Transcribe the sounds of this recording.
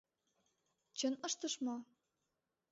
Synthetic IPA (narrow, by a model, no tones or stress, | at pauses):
t͡ɕənəʃt̪əʃmo